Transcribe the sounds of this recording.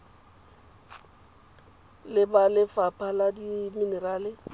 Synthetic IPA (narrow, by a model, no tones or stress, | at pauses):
lɪbalɪfapʰʼaladiminɛraːlɪ